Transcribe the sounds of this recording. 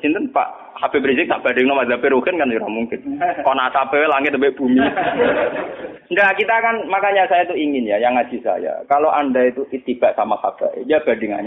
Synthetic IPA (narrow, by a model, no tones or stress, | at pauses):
sint̪ənpa̰ʔ | hapebɾizɪk̚t̪aʔb̥adɪŋnɔmad̪apɪɾuhɪnkansuɾahmuŋkɪnkɔnasapewɛlaŋɪt̪əbɛʔb̥umi | ndakit̪akanmakaɲasajat̪uiŋɪnjajaŋḁd͡ʒisa̰ja̰kaloʔandait̪uʔit̪ib̥aʔsamaha̰b̥a̰jab̥adɪŋa̰ɲa